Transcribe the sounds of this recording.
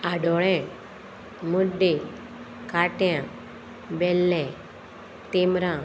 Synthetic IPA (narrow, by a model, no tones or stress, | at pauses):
aɖɔɭɛ̃ | muɖe | kaʈjã | bɛlːɛ̃ | t̪imɾã